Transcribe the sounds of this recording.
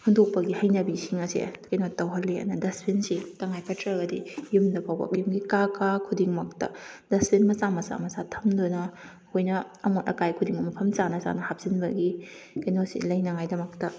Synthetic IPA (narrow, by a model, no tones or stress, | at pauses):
hʰundok̚pɐɡihɐjnɐbisiŋɐsḛkɐjnotɐwɦɐlːia̰nɐdɐspʰinsitɐŋajpʰɐtʰɾɐɡɐdḭjumdɐpʰawba̰p̚jumɡikakʰakʰudiŋmɐk̚tɐ̰dɐspʰinmɐsamɐsa̰mɐsatʰɐmdunɐ | hojnɐːmonɐ̰kajkʰudiŋumɐpʰɐmt͡ʃanɐza̰nɐhap̚z̥inbɐɡikɐjnosḭlɐjnɐŋajdɐmɐk̚tɐ